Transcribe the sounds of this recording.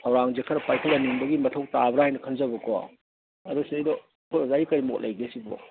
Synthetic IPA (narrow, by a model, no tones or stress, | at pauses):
sʰɐwɾaŋzekʰɐɾɐpajkʰɐlɐniŋbɐɡimɐtʰowk̚tabɾahajnɐkʰɐnzɐbɐka̰ | ɐɾusiɐjdɔ | pʰolɐzaikɐɾimot̚lɐjɡesibo̰